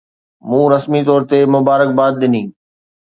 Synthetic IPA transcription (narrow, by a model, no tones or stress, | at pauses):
mũːɾəsmit̪ɔːɾt̪emʊbaːɾək̚baːd̪̚ːɪnĩː